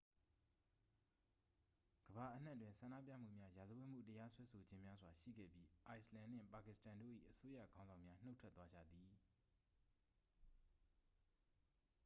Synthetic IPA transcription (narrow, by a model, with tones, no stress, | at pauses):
ɡ̥əba˨ʔən̥a˦t̬wɪ̃˦˨nsã˨na̰˦˨p̬jä̰˦˨m̥ṵ˦˨mja˦ja˨zə˨wẽ˦˨m̥ṵ˦˨təja˦swɛ˦sʰo˨d͡ʑɪ̃˦mja˦zwa˨ʃḭ˦˨ɡɛ̰˦˨bji˦ʔa˨ɪslã˨n̥ɪ̰̃˦˨pa˨kɪ˨stã˨ndo̰˦˨ʔḭ˦˨ʔəso˦jä̰˦˨ɡã˦ʊ̃zã˨mja˦n̥o˦tʰwɛ˦t̪wa˦d͡ʑä̰˦˨d̪ði˨